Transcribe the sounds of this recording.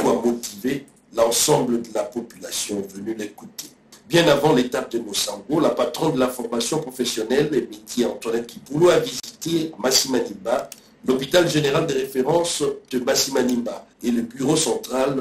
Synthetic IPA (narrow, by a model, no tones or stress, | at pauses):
kwamot̪ive | lɑ̃sɑ̃bləd̪əlapɔpylasjɔ̃vənylekut̪e | bjɛ̃navɑ̃let̪ap̚d̪əmosɑ̃ɡolapat̪χɔ̃nd̪əlafɔʁmasjɔ̃pχofesjɔnɛlemet̪jeɑ̃t̪wanɛt̪̚kipuluavizit̪emasimanĩmba | lopit̪alʒeneʁald̪eʁefeʁɑ̃sd̪̥əmasimanimbaeləbyʁosɑ̃t̪χal